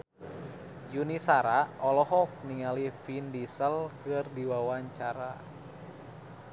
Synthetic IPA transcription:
junisaɾaɔlɔɦɔk̚niŋalifindisəlkɨrdiwawaɲt͡ʃaɾa

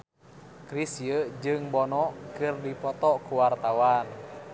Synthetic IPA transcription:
kɾisiəd͡ʒɨŋbɔnɔkɨrdipɔt̪ɔkuwart̪awan

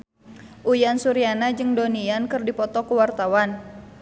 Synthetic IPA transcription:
ʔujansuɾianad͡ʒɨŋdoniankɨrdipɔt̪ɔkuwart̪awan

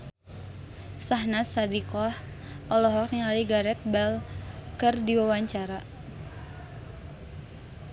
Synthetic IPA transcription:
saɦnasadikɔh | ʔɔlɔɦɔk̚niaɾiɡaɾɛt̪̚bɛlkɨrdiwawaɲt͡ʃaɾa

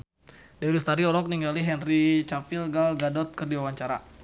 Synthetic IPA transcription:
dɛwilist̪aɾiɔlɔk̚niŋɡaliɦɛnrit͡ʃapilɡalɡadɔt̪̚kərdiwawaɲt͡ʃaɾa̰

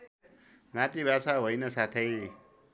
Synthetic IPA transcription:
nat̪ibʱasaɦojnʌsat̪ʰʌj

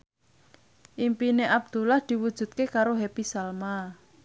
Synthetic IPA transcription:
ʔimpineʔab̚d̪̥ṳlahd̪̥i̤wud̥ʒ̥ṳt̪̚kekaɾoɦepisalma

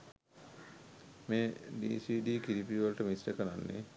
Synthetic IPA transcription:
meːɖḭːsiːɖiːkiɾipiʋəlʈəmisʈəkənanːḛ

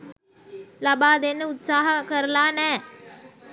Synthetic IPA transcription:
lɐbaːd̪enːəʊt̪saːɦəkəɾəlaːnɛː

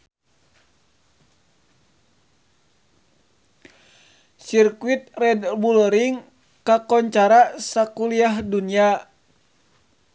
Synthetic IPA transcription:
sirkuit̪̚rɛdbulɔɾiŋ | kakɔɲt͡ʃaɾasakuliaɦdunia

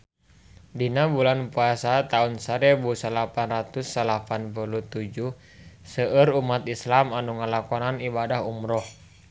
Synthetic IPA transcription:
dinabulanpuasat̪aunsaɾebusəlapanrat̪usːəlapanpulut̪ud͡ʒuh | səʔəɾumat̪islamanuŋəlakɔnanibadaɦumɾɔh

